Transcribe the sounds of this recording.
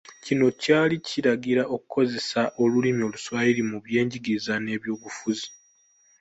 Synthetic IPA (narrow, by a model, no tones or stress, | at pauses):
cino̞caːlicʰiɾaɡiɾaʔo̞kukʰo̞ze̞saʔo̞lulimjo̞ːluswaːjiɾimuβje̞ːɲɟiɡizane̞ːβjo̞ːβufuzi